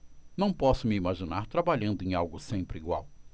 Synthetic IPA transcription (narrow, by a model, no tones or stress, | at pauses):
nɐ̃w̃pɔsʊmɪimaʒinaɾt̪ɾabaʎɐ̃nd̪ʊẽj̃awɡʊsẽmpɾɪiɡwa̰w